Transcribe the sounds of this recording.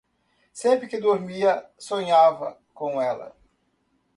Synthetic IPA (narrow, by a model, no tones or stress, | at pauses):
sẽmpɾɪkɪd̪oɾmiɐsõɲavɐ̰ | kõw̃ɛlɐ̰